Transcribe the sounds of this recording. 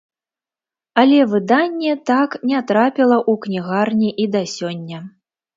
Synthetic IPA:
ɐlʲɛvɨd̪anʲːɛt̪aknʲɛt̪ɾapʲilˠɐʔuknʲiɣarnʲiʔid̪ɐsʲɔnʲːɐ

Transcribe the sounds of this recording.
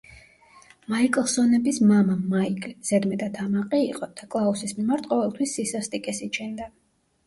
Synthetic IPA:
maikʼlˠsɔnɛbismamamaikʼz̥ɛd̪mɛd̪at̪ʰamaqʼiːqʼɔd̪̥akʼlˠausismimaɾt̪ʰqʼɔvɛlˠt̪ʰwisːisast̪ʼikʼɛsit͡ʃʰɛnd̪a

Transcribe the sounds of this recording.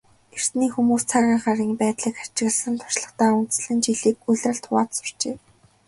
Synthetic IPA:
er̥sniːxumuːst͡sʰaɣʲiːŋχaɾiːŋpæːt̪ɮiːkḁt͡ɕɪ̆ɣ̆ɮsə̆nt̪ʰʊ̥ʃɮə̆χt̪aːunt͡sɮɘ̆nt͡ɕiɮiːkuɮʲrə̆ɬt̪ʰʊʁaːt̪sʊ̥r̥t͡ɕeː

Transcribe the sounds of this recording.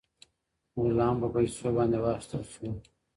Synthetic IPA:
ulɑːmpəpɐisobɑ̃nd̪ewɑʃt̪əlʃu

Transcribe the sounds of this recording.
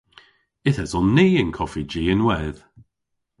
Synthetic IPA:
ɪθɛzɔnːiːɪnkʰɔfid͡ʒiːɪnwɛð̥

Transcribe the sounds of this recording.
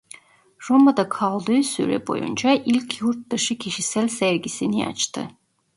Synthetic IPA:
ɾomad̪akʰalˠd̪ɯːsy̰ɾɛ̰bo̞̰jṵnd͡ʒaʔilʲcʰjuɾt̪̚d̪aʃɯcʰiʃisælʲsæɾɟisinia̰t͡ʃt̪ʰɯ̰

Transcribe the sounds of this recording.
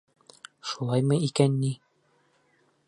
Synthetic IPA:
ʃulˠɑjmɤikænːi

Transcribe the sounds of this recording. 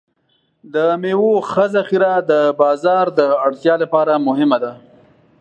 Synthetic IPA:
d̪əmewoxəzaxiɾad̪əbɑzɑɾd̪əaɽt̪jɑlapɑɾamʊɦɪmad̪a

